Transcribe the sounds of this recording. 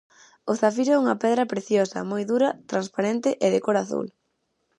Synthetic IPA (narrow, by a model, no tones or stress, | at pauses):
oθafiɾɛuŋɐpɛðɾɐpɾeθjosɐ̰mojðuɾɐt̪ɾanspaɾent̪ɪʔeðɪkoɾaθṵl